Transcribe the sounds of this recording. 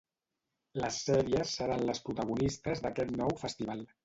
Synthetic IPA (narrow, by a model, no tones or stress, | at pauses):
ləsːɛɾiəsːəɾanləspɾut̪əɣunist̪əzðəkɛt̪nɔwfəst̪iβalˠ